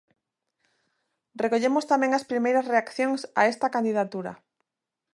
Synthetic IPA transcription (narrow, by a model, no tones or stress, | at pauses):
rekoʎemost̪amẽŋaspɾimejɾasreakθjoŋsa̰est̪akand̪iðat̪uɾa̰